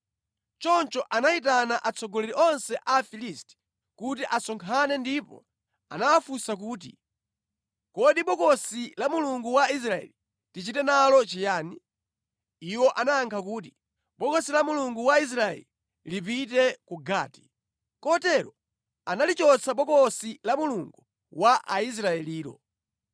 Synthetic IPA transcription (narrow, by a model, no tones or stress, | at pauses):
t͡ʃɔnt͡ʃɔʔanait̬anaʔat͡sʰɔɡɔlɛɾiʔɔnsɛʔafilistɛ̥ | kutiʔasɔŋkʰanɛndipɔ̰ | a̰nawafusak̬uːt̬i | kɔɗiɓɔkɔsilamuluŋɡuwais̬ɾaɛ̰li | tit͡ʃitɛnalɔt͡ʃijaːni | iwɔʔanaːŋkʰakuːt̬i | ɓɔkɔsilamuluŋɡuwais̬ɾaɛ̰li | lip̬it̬ɛkuɡa̰ːti̥ | kɔtɛɾɔ | analit͡ʃɔt͡sʰaɓɔkɔsilamuluŋɡu | waʔais̬ɾaɛliːlɔ̰